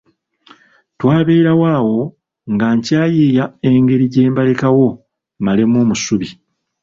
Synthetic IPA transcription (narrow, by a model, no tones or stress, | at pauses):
twaːβe̞ːɾawaːwo̞ | ŋɡaɲcaːjiːjae̞ŋɡe̞ɾiɟe̞ːmbalekawo̞ | male̞mo̞ːmusuβi